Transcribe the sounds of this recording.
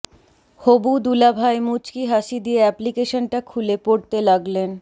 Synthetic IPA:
hobud̪ulabʱaemut͡ɕkiɦaʃid̪ieɛplikeʃonʈakʰulepoɽt̪elaɡlen

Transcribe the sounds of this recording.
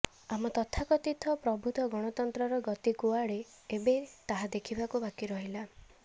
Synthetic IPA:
amɔt̪ɔt̪ʰakɔt̪it̪ʰɔpɾɔbʱut̪ɔɡɔɽ̃ɔt̪ɔnt̪ɾɔɾɔɡɔt̪ikuaɽe | ebet̪aɦad̪ekʰibakubakiɾɔɦila

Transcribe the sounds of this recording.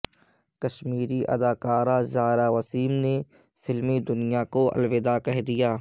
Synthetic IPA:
kɐʃmiːɾiʔɐ̰d̪aːkaːɾazaːɾaːwɐsiːmne | fɪlmid̪ʊnijakoɐ̰lʋɪd̪akɛɦd̪ijaː

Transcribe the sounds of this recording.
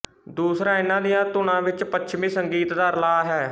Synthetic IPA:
d̪uːsɾãːɪnãːd̪ɪjãːt̪ʊñãːʋɪt͡ʃpətːʃʰmĩːsəŋɡiːt̪d̪aːɾlaːɦɛː

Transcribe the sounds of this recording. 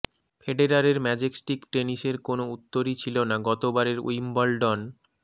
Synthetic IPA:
fʰeɖeɾaɾeɾmɛd͡ʑeksʈikʈeniʃeɾkonout̪ːoɾit͡ɕʰilonaɡɔt̪obaɾeɾṵjmbɔlɖɔn

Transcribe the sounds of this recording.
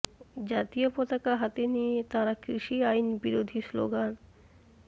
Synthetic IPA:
d͡ʑat̪iopot̪akaɦat̪enijet̪aɾakɾiʃiajnbiɾod̪ʱislo̰ɡan

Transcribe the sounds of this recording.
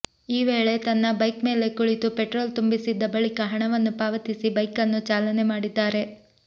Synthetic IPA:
iːʋeːɭe̞t̪ɐnːɐbɐjkme̞ːle̞kuɭit̪upeʈɾoːlt̪umbisid̪ːɐbɐɭikɐɦɐɳɐʋɐnːupaːʋɐt̪isibɐjkɐnːut͡ʃaːlɐne̞maːɽid̪ːaːɾe̞

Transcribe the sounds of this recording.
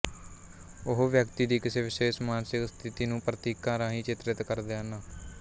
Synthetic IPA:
ʊɦʋjəkt̪iːd̪iːkɪseːʋɪseːʃmaːnsɪkst̪ʰɪt̪iːnũːpɾət̪iːkãːɾãːɦĩːt͡ʃɪt̪ɾɪt̪kəɾd̪eːənaː

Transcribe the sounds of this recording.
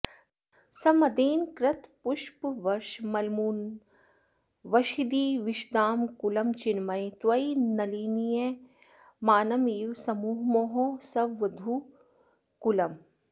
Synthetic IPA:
sɐmɐd̪eːnkɾɐt̪pʊʃpʋɐɾʃmɐlmuːn | ʋɐʃid̪iːʋɪʃd̪aːmkulɐmt͡ʃɪnmɐjt̪ʋɐinɐliːnije | maːnɐmiːwsɐmuːɦmoːɦõːsɐʋʋɐd̪ʱuː | kulɐm

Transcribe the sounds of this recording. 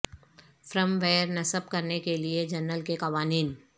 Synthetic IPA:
fɾəmʋeːəɾnɐsəb̚kɐɾnekelied͡ʒɐɾnəlkekɐʋaːniːn

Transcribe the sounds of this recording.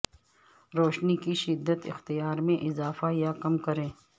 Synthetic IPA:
ɾoːʃnikiʃɪd̪ːət̪ɪ̰xt̪ijaːɾmẽʔɪzaːfajakɐmkɐɾẽː

